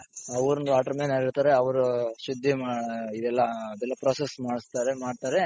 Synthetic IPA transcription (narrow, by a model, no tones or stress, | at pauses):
ɐʋɐɾund̪ʋaːʈɐɾmeːnɐɽiɾt̪aːɾeɐʋɐɾuʃud̪ʱːimaid̪ɛlːɐːd̪ɛlːɐpɾoːsesmaːɽist̪aːɾemaːɖt̪aːɾe